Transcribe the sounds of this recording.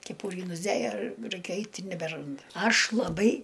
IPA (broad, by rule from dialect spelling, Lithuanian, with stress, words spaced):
kʲɛˈpuːrʲiː nʊzʲˈdʲeːjɛ ˈrɐɪkʲɛ ˈɐɪtʲ ɪ nʲɛbʲɛˈrɐnt ˈɐʃ lˠɐˈbɐɪ